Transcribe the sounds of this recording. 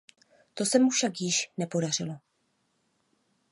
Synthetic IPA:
t̪o̞sɛmufʃakjɪʃnɛpo̞dar̝ɪlo̞

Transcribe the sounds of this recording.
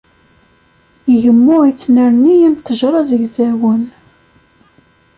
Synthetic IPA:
əʝəmːʊit͡sːnəɾnːijæmt̪ːəʒɾˤɑzəʝzæwən

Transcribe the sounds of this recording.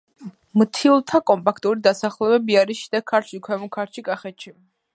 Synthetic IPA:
mt̪ʰiulˠt̪ʰakʼɔmpʼakʰt̪ʼuɾid̪asaχlɛbɛbiaɾisʃid̪akʰːaɾt͡ʃʰikʰwɛmɔkʰaɾt͡ʃʰikʼaχɛt̪ʃʰi

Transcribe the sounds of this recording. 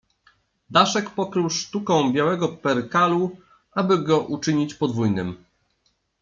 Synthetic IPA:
d̪aʂɛkpɔkɾɘwʂt̪ukɔ̃w̃bʲjawɛɡɔpɛɾkalu | ʔabɘɡɔʔut͡ʂɘɲit͡ɕpɔd̪vujnɘm

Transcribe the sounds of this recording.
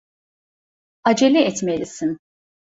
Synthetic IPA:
ad͡ʒelʲiɛt̪melʲisin

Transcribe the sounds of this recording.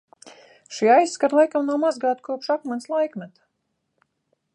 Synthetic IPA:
ʃiajskaɾlˠajkamnawmazɡɑːt̪kuɔpʃakmanslˠajkmʲɛt̪ḁ

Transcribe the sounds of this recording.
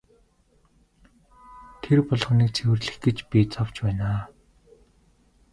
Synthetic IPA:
t̪ʰerpɔɮχ̆niːk̚t͡sʰewɘ̆rɮɘ̆xɡĕt͡ɕpʲit͡sʰɔw̥t͡ɕpæːnaː

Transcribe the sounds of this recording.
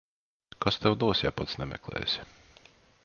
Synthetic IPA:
kast̪ɛwd̪uɔsʲjapat̪snɛmʲɛ̰klˠɛ̰ːjsʲ

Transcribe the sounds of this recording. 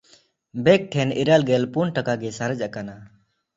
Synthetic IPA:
bɛk̚ʈʰɛniɾalɡɛlpunʈakaɡɛsaɾəd͡ʒaʔkana

